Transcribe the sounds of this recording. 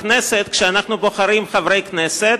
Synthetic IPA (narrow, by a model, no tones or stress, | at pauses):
kneset̪kʃeanaχnuboχaɾimχavɾejkneset̪